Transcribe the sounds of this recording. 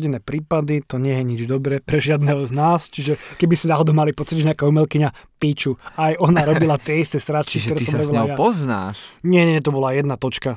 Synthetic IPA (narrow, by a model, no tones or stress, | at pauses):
ɟinɛːpɾiːpad̪it̪ɔɲɛjɛɲid͡ʒd̪ɔbɾɛpɾɛʒɪad̪nɛɦɔznaːst͡ʃiʒɛkɛbisinaɦɔd̪ɔʊmalipɔt͡siɟʒɛɲɪakaumɛlkiɲapiːt͡ʃuajɔnaɾɔbilat̪ɪɛist̪ɛsɾat͡ʃkikt̪ɔɾɛːsamɾɛʋɛllajaɔzna̰ːʃɲɛɲɛɲɛt̪ɔbɔlajɛd̪nat̪ɔt͡ʃka